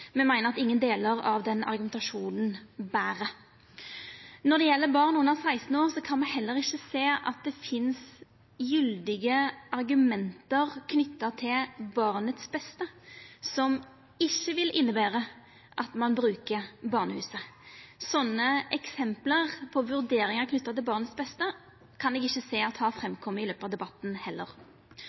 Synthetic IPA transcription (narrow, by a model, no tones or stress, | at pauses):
mɛmæɪnəʁɑt̪ɪŋːənd̪eːləʁɑʋd̪ɛnɑ̰ɾɡʉmɛnt̪ɑʂuːnn̩bæːʁə | nɔd̪ɛjɛlːəbɑʁnʉnːəʁsæɪst̪n̩oːʁsɔkʰɑnmɛhɦɛlːəʁɪçːəseːʔɑt̪̚d̪ɛfɪns | jʏld̪ɪɡəʔɑɾɡʉmɛnt̪əʁkʰnʏt̪ːɑt̪ʰɪlbɑʁnət̪sbɛst̪əsɔm | ɪçːəʋɪlʔɪnːəbæːʁə | ʔɑt̪mɑnbɾʉːkəbɑʁnəhʉ̰ːsəsɔnːəɛksɛmpləʁpʰɔʋʉʁd̪eːɾɪŋəʁkʰnʏt̪ːɑt̪ɪlbɑʁnət̪sbɛst̪ə | kʰɑnɛɡɪçːəseːɑt̪hɑfɾɛmkʰɔmːəɪløːpəɑʋd̪ɛbɑt̪ːn̩hɛlːəʁ